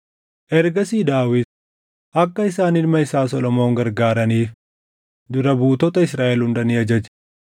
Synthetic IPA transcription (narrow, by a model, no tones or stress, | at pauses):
ʔɛɾɡɐsiːd̪aːwɪd̪ | ʔɐkːɐɪsaːnɪlmɐɪsaːsɔlɔmoːŋɡɐɾɡaːɾɐniːf | d̪ʊɾɐbuːt̪ɔt̪ɐɪsɾaːʔɛlhʊnd̪ɐniːɐd͡ʒɐd͡ʒɛ̥